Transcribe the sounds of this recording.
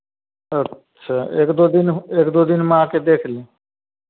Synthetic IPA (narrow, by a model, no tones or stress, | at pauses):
ətː | ʃʰaːeːkd̪od̪ineːkd̪oːd̪inmãːked̪eːkʰlẽ